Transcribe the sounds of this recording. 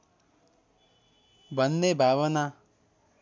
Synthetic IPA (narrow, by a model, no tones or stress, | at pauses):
bʱʌnːebʱabʌna